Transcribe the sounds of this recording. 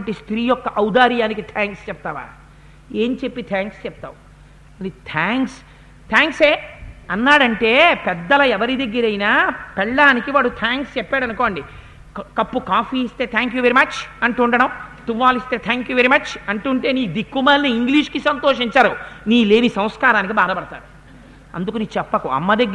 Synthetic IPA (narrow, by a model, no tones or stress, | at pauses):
ɐɳʈist̪ɾiːjɔkːɐʔɐwd̪aːɾjaːnikit̪ʰaːŋkst͡ʃɛp̚t̪aːʋa̰ː | eːnt͡ʃepːit̪ʰaːŋkst͡ʃɛp̚t̪a̰ːwu | ɐit̪ʰaːŋks | t̪ʰaːŋkseːɐnːaːɽɐɳʈe̞ːpɛd̪ːɐlɐɛʋɐɾid̪ɐɡːiɾɐjnaːpɛɭːaːnikiʋaːɽut̪ʰaːŋkst͡ʃɛpːaːɽɐnuko̞ːɳɖi | kɐpːukaːfiːst̪e̞ːt̪ʰaːŋkjuːʋeɾimɐt͡ʃɐɳʈuɳɖɐɽɐmt̪uʋʋːaːlist̪e̞ːt̪ʰaːŋkjuːʋeɾimɐt͡ʃɐɳʈuːɳʈe̞ːniːkud̪ikːumɐːlniːŋɡliːʂkisɐnt̪oːʂiɲt͡ʃaːɾuniːle̞ːnisɐmskaːɾaːnik̬ibʱaːd̪ɐpɐɽɐt̪a̰ːɾu | ɐ̰nd̪ukuniːt͡ʃɛpːɐkuɐ̰mːɐd̪eɡ